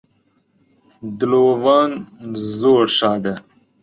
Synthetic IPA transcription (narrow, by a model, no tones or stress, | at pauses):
d̪loːvaːnzoːɾʃɑːd̪e